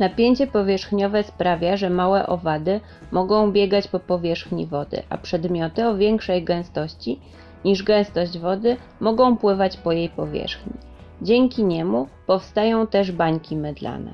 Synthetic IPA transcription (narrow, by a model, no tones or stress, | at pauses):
napʲjeɲt͡ɕɛpɔvʲjɛʂxɲɔvɛspɾavʲjaʐɛmawɛ̰ʔɔ̰vad̪ɘ | mɔɡɔ̃w̃bʲjɛɡat͡ɕpɔpɔvʲjɛʂxɲḭvɔd̪ɘ̰ʔa̰pʂɛd̪mʲjɔt̪ɘɔvʲjɛŋkʂɛjɡɛ̃w̃st̪ɔɕt͡ɕi | ɲiʐɡɛ̃w̃st̪ɔʑd͡ʑvɔd̪ɘ | mɔɡɔ̃w̃pwɘvat͡ɕpɔjejpɔvʲjɛ̰ʂxɲi | d͡ʑɛŋkʲiɲɛmupɔfst̪ajɔ̃w̃t̪ɛʐbaɲkʲimɛd̪la̰nɛ̰